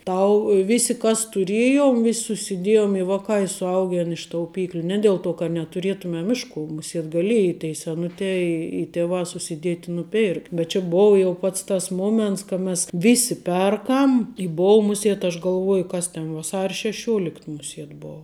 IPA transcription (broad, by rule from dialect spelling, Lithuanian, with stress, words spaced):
ˈtɐʊ ˈʋʲɪsʲɪ kɐs tʊˈrʲeːjoːm ʋʲɪsʲ sʊsʲɪˈdʲeːjoːm ɪ ˈʋɑːkɑː ɪ sʊˈɐʊɡʲɛn ɪʃ tɐʊˈpʲiːklʲʊ ˈnʲɛ dʲeːlˠ ˈtoː kɐt nʲɛtʊˈrʲeːtʊmʲɛm ˈɪʃ ˌkʊ mʊˈsʲiɛt ɡɐˈlʲeːjɪ tʲɛɪ sʲɛˈnʊtʲɛː ɪ ɪ ˈtʲæːʋɑː sʊsʲɪˈdʲiɛtʲ ɪ nʊˈpʲɪrktʲ bʲɛt ˈt͡ʃʲɛ ˈboːʋɐ jɛʊ ˈpɐts tɐs ˈmoːmʲɛnts kɐ mʲɛs ˈʋʲɪsʲɪ ˈpʲɛrkɐm ɪ ˈboːʊ ˈmʊsʲiɛt ɐʃ ɡɐlˠˈʋuɔjʊ ˈkɐs tʲɛn ʋɐˈsɐrʲ ʃʲɛˈʃʲuɔlʲɪkt mʊˈsʲiɛt ˈboːʊ